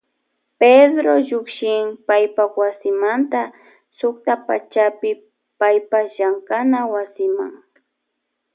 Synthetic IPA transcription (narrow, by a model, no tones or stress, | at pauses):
ped̪ɾoʎʊkʃɪŋpajpawasɪmant̪a | sʊkt̪apa̰t͡ʃapɪ | pajpaʒaŋkanawasɪma̰ŋ